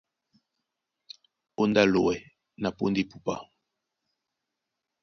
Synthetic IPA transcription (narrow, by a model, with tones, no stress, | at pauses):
o˦nda˦˨lo˨wɛ˨ | na˨po̰˦ndi˦˨pu˦pa̰˦˨